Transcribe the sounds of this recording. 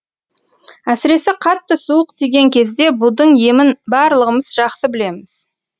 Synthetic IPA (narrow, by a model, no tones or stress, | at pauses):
æsɪɾe̞sɪqʰɑt̪ːəsuəqt̪ʰeɡʲe̞ŋkʲʰe̞zd̪e̞bud̪əɴje̞mɪnbɑɾlˠəʁəməzʒɑqsəbɪle̞mɪz̥